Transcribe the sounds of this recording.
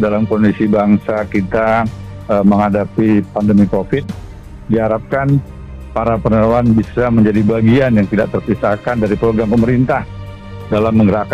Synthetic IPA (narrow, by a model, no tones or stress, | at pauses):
dalamkɔndisibaŋsakit̪aəməŋhadapipandəmikofɪt̪̚ | diɦaɾap̚kan | paɾapənəɾaanbisaməɲd͡ʒadibaɡianjaŋt̪idaʔk̚t̪ərpisakandaɾipəɾoɡɾampəməɾint̪ah | dalamːəŋɡəɾak